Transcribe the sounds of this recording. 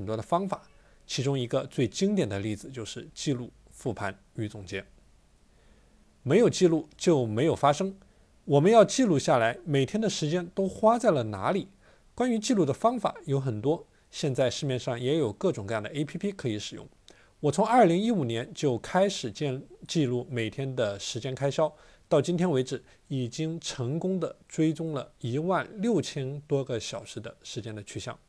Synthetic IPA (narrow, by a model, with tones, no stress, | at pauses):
ə˨nt̪wɔ˥d̪ə˨fɑ˥ŋfa˨˩˦ | t͡ɕʰi˧˥ʈ͡ʂʊ˥ŋi˧˥ɡə˧t͡swe˥˩ɪt͡ɕi˥ŋt̪̬jɛ˨˩nd̪ə˦li˥˩d͡zɹ̩˨˩t͡ɕjo˥˧ʊʂɻ̩˥˧t͡ɕi˥˧lu˥˧ | fu˥˩pʰa˧˥n | y˧˥t͡sʊ˨˩ŋt͡ɕjɛ˥n | me˧˥ɪjo˨˩ʊt͡ɕi˥˧lu˥˩t͡ɕjo˥˩ʊme˧˥ɪjo˨˩fa˥ʂɤ˥ŋ | wɔ˨˩mə˦njɑ˥˧ʊt͡ɕi˥˧lu˥˧ɕja˥˩la˧˥ɪme˨˩ɪt̪ʰjɛ˥nd̪ə˨ʂɻ̩˧˥t͡ɕjɛ˥nt̪o˥ʊxwa˥t͡sa˥˩ɪlə˩na̰˧˥li˨˩˦ | kwa˥ny˧˥t͡ɕi˥˧lu˥˩d̪ə˩fɑ˥ŋfa̰˨˩˦jo˧˥ʊxə˨˩nt̪wɔ˥ | ɕjɛ˥˧nt͡sa˥˧ɪʂɻ̩˥˧mjɛ˥˧nʂɑ˥˩ŋjɛ˧˥jo˨˩ʊkɤ˥˩ʈ͡ʂʊ˨˩ŋkɤ˧jɑ˥˩d̪ə˧ʔe˥ɪpʰi˥pʰi˥kʰɤ˧˥i˧˥ʂɻ̩˨˩jʊ̰˥˩ŋ | wɔ˨˩t͡sʰʊ˧˥ŋɐ˞˥˩li˧˥ŋi˥u˨˩njɛ˧˥nt͡ɕjo˥˩ʊkʰa˥ɪʂɻ̩˨˩t͡ɕɛ˥˧t͡ɕi˥˧lu˥˩me˨˩ɪt̪ʰjɛ˥nd̪ə˨ʂɻ̩˧˥t͡ɕjɛ˥nkʰa˥ɪɕjɑ˥ʊ | t̪ɑ˥˩ʊt͡ɕi˥nt̪ʰjɛ˥nwe˧˥ɪʈ͡ʂɻ̩˨˩˦ | i˨˩t͡ɕi˥ŋʈ͡ʂʰɤ˧˥ŋkʊ˥ŋd̪ə˨ʈ͡ʂwe˥ɪt͡sʊ˥ŋlə̰˨i˧˥wa˥˩nljo˥˩ʊt͡ɕʰjɛ˥nt̪wɔ˥ɡə˨ɕjɑ˨˩ʊʂɻ̩˧˥d̪ə˧ʂɻ̩˧˥t͡ɕjɛ˥nd̪ə˨t͡ɕʰy˥˩ɕjɑ̰˥˩ŋ